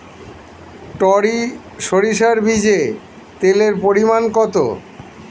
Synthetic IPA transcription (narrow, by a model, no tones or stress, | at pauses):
ʈɔɾi | ʃoɾiʃaɾbid͡ʑe | t̪eleɾpoɾimankɔt̪o̰